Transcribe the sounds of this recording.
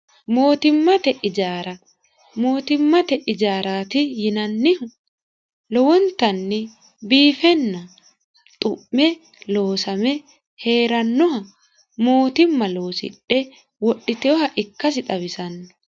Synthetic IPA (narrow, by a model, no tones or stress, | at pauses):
mo̞ːt̪ɪmːɐt̪ɛʔɪd͡ʒaːɾɐ | mo̞ːt̪ɪmːɐt̪ɛʔɪd͡ʒaːɾaːt̪ɪjɪnɐnːɪ | lɔwɔnt̪ɐnːɪ | biːfɛnːɐ | t̪ʼʊ̰ʔːɛ | lo̞ːsɐmɛ | he̞ːɾɐnːɔhɐ | mo̞ːt̪ɪmːɐlo̞ːsɪ̰ᶑɛ | wɔɗːɪt̪ɛɔhɐʔɪkːɐs̬ɪt̪ʼɐβɪsɐnːɔ̥